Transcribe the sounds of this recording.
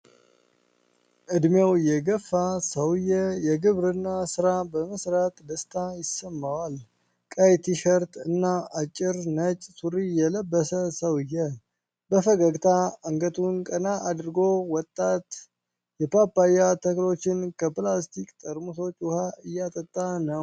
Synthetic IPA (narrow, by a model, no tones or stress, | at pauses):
ʔɨd̪mewjɛɡəfːasəwɨjːɛjɛɡɨβɾɨnːasɨɾabəməsɾat̪ʼd̪əst̪ʰajɪsːəmːawal | kʼəjt̪ʰiʃəɾt̪ɨnːaat͡ʃʼːɪɾnət͡ʃʼsuɾijɛləbːəsəsəwɨjːɛ | bəfəɡəɡt̪ʰaəŋɡət̪ʰunkʼənaʔad̪ɾɡo̞wɔt̪ʼːat̪ | jɛpʰapːajat̪ʰəklo̞t͡ʃːɪnkʰəplast̪ʰikʼt̪ʼəɾmuso̞t͡ʃʼːwʊhaɨjːat̪ʼət̪ʼːanəw